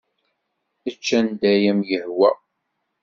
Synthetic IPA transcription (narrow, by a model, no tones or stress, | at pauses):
ət͡ʃːænd̪æjæmjəhwæ